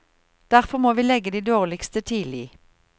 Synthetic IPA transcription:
d̪̥æʁfɔʁmoːʋiːlɛɡəd̪iːd̪oːʁlɪkst̪ət̪ʰiːdliː

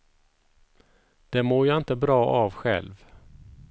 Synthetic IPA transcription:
d̪̥ɛmoːɾjɑɪnt̪əbɾɑːʔɑvɧɛ̰lv

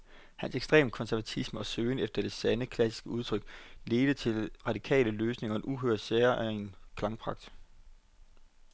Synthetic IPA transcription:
hænseɡ̥sd̥ʁḛːmkʰɒ̽nsæɐʋæt͡sʰisməɒ̽søːɪnefd̥ɐd̥e̝sænəkʰlæsi̥sɡ̥əuð̞ˠt͡sʰʁœɡ̥le̝ːd̥ət͡sʰe̝lʁɑ̈d̥ikʰɛ̰ːləløːsne̝ŋɐenʔuɦøɐ̰d̥seːɐʔæe̝nkʰlɑ̈ŋpʰʁɑ̈ɡ̥̚d̥

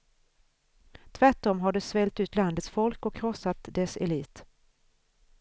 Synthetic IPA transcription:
t̪ʰvæʈɔmɦaɖɛsvɛlt̪ʉ̟ːt̪land̪ət̪sfɔlkɔkʰːɾɔsːat̪d̪ɛsɛliːt̪

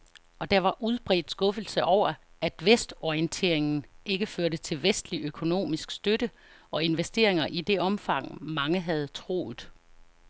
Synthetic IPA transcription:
ɒ̽d̥ɑ̈ʋɑ̈ʔuð̞ˠb̥ʁɛ̰ːd̥sɡ̥ɔ̽fl̩səʔɒʊ̰ɐ | æd̥ʋesd̥ɒiənt͡sʰe̝̰ɐ̰e̝ŋn̩e̝ɡ̥əføɐɾət͡sʰe̝lʋesd̥liøkʰo̝no̝̰ːmisɡ̥sd̥øɾə | ʔɒ̽e̝nʋesd̥e̝̰ɐ̰eŋɐʔid̥e̝ʔɒ̽mfɑ̈ŋ̰mɑ̈ŋəɦæð̞̩ˠt͡sʰʁo̝̰ːð̩ˠ

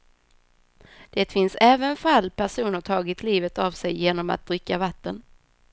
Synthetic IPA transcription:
d̪̥ɛt̪fɪnsɛːvənfalːpʰæʂuːnəʈʰɑːɡɪt̪ʰliːvət̪avsɛjːeːnɔma̰t̪̚d̪ɾɪkːavat̪ːən

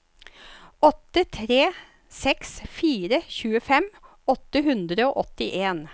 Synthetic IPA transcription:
ɔt̪ət̪ʰɾeː | sɛksfiːɾəçʉːəfɛm | ɔt̪əhʉnd̪ɾəoːʔɔt̪ɪʔeːn

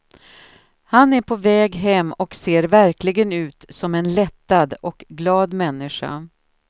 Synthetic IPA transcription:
hanæɾpʰɔvɛːɡɦɛmːɔkseːɾvæɾklɪɡənʉ̟ːt̪sɔmɛnlɛt̪ːad̪ɔkɡlɑːd̪mɛnːɪʂa̰

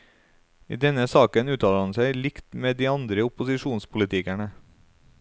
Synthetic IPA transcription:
ḭːd̪ɛnəsɑːkənʉːt̪ʰɑːləɑnsæɪlɪkt̪meːd̪iːɑnd̪ɾəʊpʊsɪʃuːnspʰʊlɪt̪ʰɪkæɳə

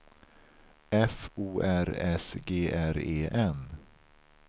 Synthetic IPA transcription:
ɛfuːʔæɾɛsɡeːʔæɾeːʔɛn

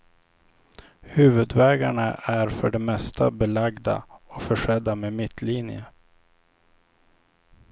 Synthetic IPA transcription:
hʉ̟ːvɵd̪vɛːɡaɳaʔæɾfœɖɛmɛst̪ʰa̰bɛlaɡd̪a̰ɔfœʂɛd̪ːamemɪt̪ʰːliːnjə̰

